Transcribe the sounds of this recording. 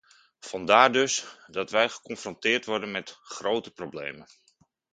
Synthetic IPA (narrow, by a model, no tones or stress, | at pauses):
v̥ɑndaːɹdɵsdɑtʋɛjχə̥kɔnfrɔntɪːɹtʋɔɹdənmɛtχrowtəprowblḛjmən